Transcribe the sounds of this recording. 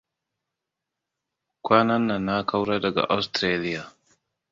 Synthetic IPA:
kʷaː˦na˦nːa˨nːa˦ka˦wɾa˦dɐ˨ɡa̰˨ʔa˦wstɾe˦li˦ja˨

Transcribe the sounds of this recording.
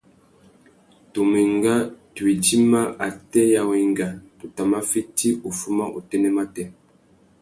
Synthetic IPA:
to˨mi˨ŋɡa˦twi˨d͡ʒi˦ma˦a˨tɛ˦ja˨wi˨ŋɡa˨tu˨ta˨ma˦fi˦ti˦o˨fu˦ma˦ʔo̰˨tɛ˦nɛ˦ma˦tɛ˦

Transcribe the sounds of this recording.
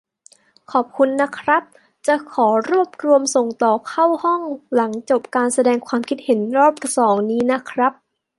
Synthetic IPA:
kʰɔː˨˩p̚kʰu˧nːa˦˥kʰɾa˦˥p̚ | t͡ɕa˨˩kʰɔː˩˦ɾu˥˩əp̚ɾu˧əmso˨˩ŋt̪ɔː˨˩kʰa˥˩whɔ˥˩ŋla˩˦ŋt͡ɕo˨˩p̚kaː˧nsa˧dɛː˧ŋkʰwaː˧mkʰi˦˥t̪̚he˩˦nɾɔː˥˩p̚t̪ʰa˨˩sɔː˩˦ŋniː˦˥na˦˥kʰɾa˦˥p̚

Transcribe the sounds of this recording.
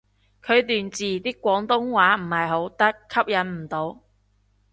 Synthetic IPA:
kʰɵ˨˧ɥt̪yː˨nt͡siː˨˩t̪iː˥kːʷɔː˨˥ŋt̪ʊ˥ŋwaː˨˥m̩˨˩hɐ˨jɦo˨˥wt̪ɐ˥kʰːɐ˥p̚jɐ˨˥nm̩˨˩t̪o˨˧w

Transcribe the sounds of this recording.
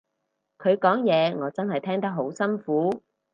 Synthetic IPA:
kʰɵ˨˧ɥkɔː˨˥ŋjɛː˨˧ŋɔː˨˧t͡sɐ˥nɦɐ˨jt̪ʰɛː˥ŋt̪ɐ˥k̚ɦo˨˥wsɐ˥nfuː˨˥

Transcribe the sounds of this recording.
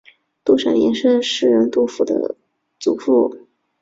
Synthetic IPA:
t̪u˥˩ʂa̰˨˩njɛ˧˥nʂə˥nʂɻ̩˥˩ɻə˧˥nt̪u˥fu˨˩d̪ə̰˧˦ | t͡su˨˩fu˥˩

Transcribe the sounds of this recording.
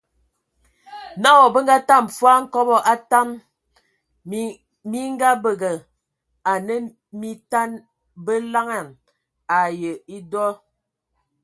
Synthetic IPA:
na˦wɔ˨bə˦ŋ̩˦ɡa˦ta˦˨mfa˦ŋ̩˦kɔ˦bɔ˦ʔa˦ta˦m˦ | mi˦ŋ˦ɡa˦bə˨ɡə˨ | a˨nə˦ | mi˦ta˦n | bə˦la˦ŋa˨n | a˨jə˨i˦dɔ˦

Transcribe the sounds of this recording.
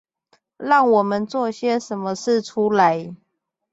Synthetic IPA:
lɑ˥˨ŋwɔ˨˩mə˨˦nt͡swɔ˥˨ɕjɛ˦ʂə˨˦nmə˧ʂɻ̩˥˨ʈ͡ʂʰu˦la˨˦ɪ

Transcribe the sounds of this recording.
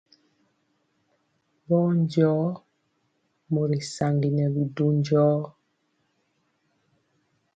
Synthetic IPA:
bɔ˦nd͡ʒɔː˦ | mo˨ɾi˨sa˨ŋɡi˨nɛ˨bi˨du˦ɲd͡ʒɔː˦

